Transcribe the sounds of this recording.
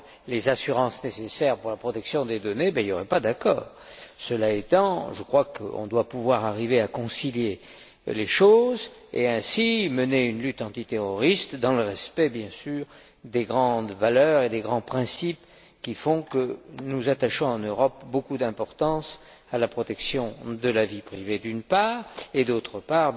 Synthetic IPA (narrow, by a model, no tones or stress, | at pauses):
lezasyʁɑ̃snesesɛʁpuʁlapχɔt̪ɛksjɔ̃d̪ed̪ɔnebailjoʁɛpad̪akɔ̰ːʁ | səlaet̪ɑ̃ʒəkχwakə̰ɔ̰̃d̪wapuvwaʁaʁiveakɔ̃silje | leʃoz | ḛɛ̃siməneynlyt̪ɑ̃t̪it̪eʁɔʁist̪d̪ɑ̃ləʁɛspɛbjɛ̃syːʁ | d̪eɡʁɑ̃d̪valœʁed̪eɡʁɑ̃pχɛ̃sip | kʲifɔ̃kənuzat̪aʃɔ̃ɑ̃nøʁɔpbokud̪ɛ̃pɔʁt̪ɑ̃s | alapχɔt̪ɛksjɔ̃d̪əlavipχived̪ynpaːʁed̪ot̪χəpaʁ